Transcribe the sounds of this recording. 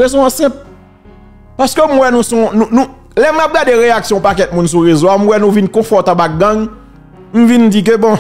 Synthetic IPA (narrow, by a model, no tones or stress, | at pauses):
ezõãsɛ̃p̚ | paskøm̩wɛnũsɔ̃nũnũ | lɛmap̚ɡadeʁeaksjɔ̃pakɛt̪̚mũnsuɣezoam̩wɛnũvinkɔ̃fɔt̪abak̚ɡãŋ | m̩vind͡zik̬øbɔ̃